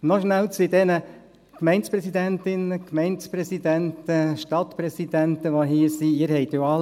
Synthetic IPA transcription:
nɔʃnælt͡sʋid̪ɛnə | kmɛɪntspɾɛsid̪ɛntɪnəkmɛɪntspɾɛsid̪ɛnt̪əʃtɑt̪pɾɛsid̥̪ænt̪əʋoɦiːsiiːɾhɛɪt̪joɑl

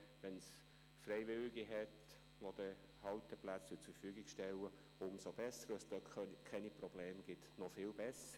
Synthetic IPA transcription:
ʋɛns | fɾɛjʋɪlɪɡiɦɛt | ʋod̥̪ə | hɑltəplæt͡st͡sut͡sufyːɡɪɡʃtɛlːə | ʊmsob̥ɛsəɾəsd̥̪ɔkʰɛniprɔb̥leːmɡ̥ɪt̪nɔfɪːlbɛsə

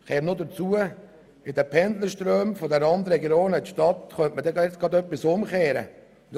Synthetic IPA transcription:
keːɾnʊdət͡suə | ɪdɛpʰɛnd̪ləʃtɾøːmfodɛɾɑnd̪ɾɛɡoːnəʃtɑt̪χœntmədɛɡt͡sɡɑdœpːɪsʊmχeːɾə̰

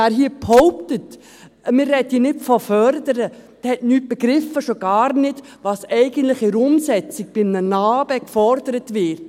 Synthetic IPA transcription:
æːɾɦiːphɔʊptət | mɪːrːɛdinɪtfɔfœɾdəɾəd̥hɛtnyːt̚b̥eɡɾɪfːəʃoɡ̥ɑːɾnɪd | ʋɑːsɛɪɡ̥əntlɪχiɾʊmsɛt͡sɪɡ̚b̥ɪmnənɑːbəkfɔɾd̥əɾətʋɪɾt

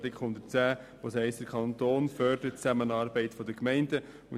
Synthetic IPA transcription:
dɪkχʊnd̪ət͡sæː | ʋoːshɛɪstd̥əɾkʰɑnt̪oːnfœɾd̥əɾət͡sæmənɑːɾbɛɪtfɔd̪əkmɛɪndə | muə

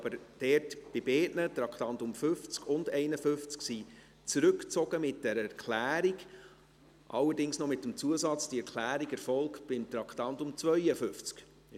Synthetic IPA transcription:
ɑbəɾd̥ɛɾtb̥ɪbeːtnətɾɑkt̪ɑntʊmfʏft͡skʊndɛɪnəfʏft͡sksi | t͡sɾɵkt͡sɔɡ̥əmɪt̚d̥ɛɾɛɾkʰlæːɾiɡ | ʔɑ̰lːəɾdɪŋsnɔmɪtːəmt͡suəsɑt͡sd̥iɛɾkʰlæːɾiɡɛɾfɔlkb̥ɪmt̪ɾɑkχtɑntʊmt͡sʋœʏəfʏft͡sk

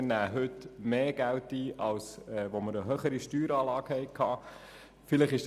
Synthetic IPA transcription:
næːɦʏtmeːɡ̥æltiːʔɑlsɛːʋoməɾəɦøχəɾiʃtyːɾɑːlɑːɡ̥hɛɪkʰɑː | fɪləχɪʃ

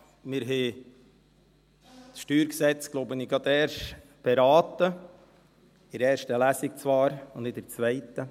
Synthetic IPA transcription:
mɪɾɦɛː | t͡sʃtyːɾksɛt͡sɡ̥loʊbəniɡɑt̪ɛːʃ | b̥ɛɾɑːt̪ə | ɪɾɛːɾʃtəlæsɪk̚t͡svɑːɾʊndɪdəɾt͡svɛɪt̪ə

